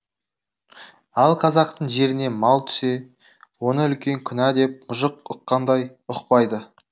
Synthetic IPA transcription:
ɑlˠqʰɑzɑq̚t̪əɴʒe̞ɾɪne̞mɑlˠt̪ʰʏ̥se̞ | wonəʏlkʲe̞ŋkʲʰʏnæd̪e̞p̚mʊʒəq̚ʊqːɑnd̪ɑj | ʊqpɑjd̪ə

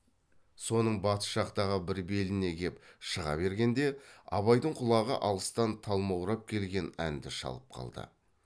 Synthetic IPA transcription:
so̞nəɴbɑt̪ə̥ʃɑqt̪ɑʁəbɪɾbe̞lɪne̞ɡʲe̞pʃəʁɑ̰be̞ɾɡʲe̞nd̪e̞ɑ̰βɑjd̪əɴqʰʊlˠɑʁə̰ʔɑlˠəst̪ɑnt̪ʰɑlˠmɑwɾɑp̚kʲʰe̞lɡʲe̞næ̰nd̪ɪʃɑ̰lˠəp̚qʰɑ̰lˠd̪ə̰

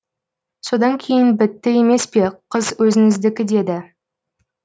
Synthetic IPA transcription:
so̞d̪ɑŋkʲʰe̞jɪnbɪt̪ːɪe̞me̞spe̞qʰəzwɵzɪŋɪzd̪ɪkʲɪd̪e̞d̪ɪ

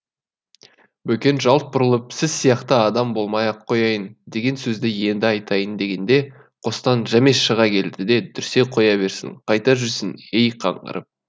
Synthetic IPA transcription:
bɵkʲe̞nʒɑlˠt̪̚bʊɾəlˠəpsɪz̥sijɑqt̪əɑd̪ɑmbo̞lˠmɑjɑqʰːo̞jɑjənd̪e̞ɡʲe̞nsɵzd̪ɪje̞nd̪ɪɑjt̪ɑjənd̪e̞ɡʲe̞nd̪e̞ | qʰo̞st̪ɑnʒæmeʃəʁɑkʲʰe̞ld̪ɪd̪e̞d̪ʰʏɾse̞qʰo̞jɑβe̞ɾsɪ̰ŋqʰɑjt̪ɑʒʏɾsɪnejqʰɑ̰ɴɢə̰ɾʔə̰p̚

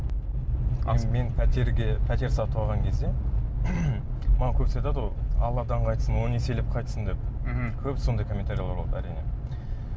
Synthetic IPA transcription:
ɑ̰me̞npʰt̪eɾɡʲepʰæt̪e̞ɾsɑt̪ʰwɑʁɑŋkʲʰe̞zd̪e̞ | mənɑwkʲʰɵpsɑjt̪ɑd̪əwoɑ̰lˠɑd̪ɑɴqʰɑjt̪əsənwonese̞lep̚qʰɑjt̪əsənd̪e̞p̚kʲʰɵpso̞nd̪ɑjkʰo̞mʲːent̪aɾijlˠɑɾbolˠɑd̪æɾijne̞

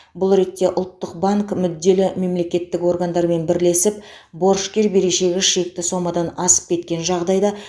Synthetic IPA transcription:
bʊlˠɾe̞t̪ːe̞ʔʊlˠt̪ːəq̚baŋkmʏd̪ːe̞lɪme̞mle̞kʲe̞t̪ːɪko̞ɾɡand̪ɑɾme̞nbɪɾle̞sɪp | bo̞ɾʃkʲeɾbe̞ɾe̞ʃe̞ɡʲɪʃek̚t̪ɪso̞mɑd̪ɑnɑsə̥p̚kʲʰe̞t̪̚kʲe̞nʒɑʁd̪ɑjd̪ɑ

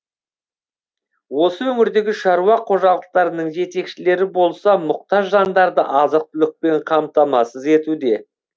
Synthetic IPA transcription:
wo̞səwɵmɪɾd̪e̞ɡʲɪʃɑɾuɑqʰo̞ʒɑlˠəq̚t̪ɑɾənəɴʒe̞t̪e̞kʃɪle̞ɾɪbo̞lˠsɑmʊq̚t̪ɑʒːɑnd̪ɑɾd̪əʔɑzəq̚t̪ʏlɪk̚pe̞ɴqʰɑmt̪ɑmɑsəze̞t̪ud̪e̞

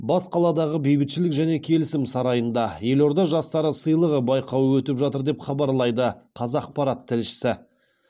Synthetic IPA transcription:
bɑsqʰɑlˠɑd̪ɑʁəbejbɪt̪ʃɪlɪkʒæne̞kʲʰe̞lɪsɪmsɑɾɑjənd̪ɑje̞lo̞ɾd̪ɑʒɑst̪ɑɾəsəjlˠəʁəbɑjqɑwəwɵt̪ɪpʒɑt̪əɾd̪e̞pχɑbɑɾlˠɑjd̪əqʰɑzɑːq̚pɑɾɑt̪ʰːɪlʃɪ̥sɪ

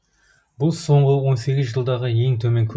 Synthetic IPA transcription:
bʊlˠso̞ɴʁəwo̞nse̞ɡʲɪzʒəlˠd̪ɑʁəje̞ŋt̪ʰɵme̞ŋkʲʰɵ

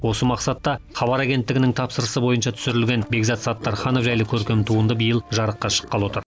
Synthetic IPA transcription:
wo̞səmɑqsɑt̪ːɑχɑβɑɾæɡʲe̞nt̪ːɪɡʲɪnɪŋt̪ʰɑpsəɾəsəbo̞jənʃɑt̪ʰʏ̥sɪɾɪlɡʲe̞nbe̞ɡzɑt̪sɑt̪ːɑɾχɑnofʒæjlɪkʲʰɵɾkʲe̞mt̪ʰuənd̪əbijəlˠʒɑɾəqːɑʃə̥qːɑlˠwo̞t̪əɾ

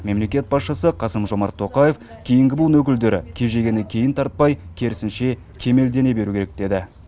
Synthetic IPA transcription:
me̞mle̞kʲe̞t̪̚bɑsʃəsəqʰɑsəmʒo̞mɑɾt̪ʰːo̞qɑje̞f | kʲʰe̞jɪŋɡʲɪbʊlˠənwɵkʲɪld̪e̞ɾɪ̰kʲʰe̞ʒe̞ɡʲe̞nɪkʲʰe̞jɪnt̪ʰɑɾt̪̚pɑjkʲʰe̞ɾɪsɪnʃe̞ | kʲʰe̞me̞ld̪e̞ne̞be̞ɾukʲʰeɾek̚d̪̥e̞d̪ɪ

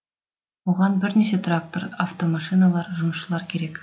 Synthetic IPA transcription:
wuʁɑnbɪɾneset̪rak̚t̪oɾaft̪omɑʃinalˠɑɾʒumʃəlˠɑɾkʲeɾek

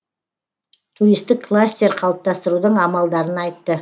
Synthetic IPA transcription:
t̪ʰuɾijst̪ɪkkʰːlˠasʲt̪ʲeɾqʰɑlˠəp̚t̪ɑst̪əɾud̪əɴɑmɑlˠd̪ɑɾənɑjt̪ːə

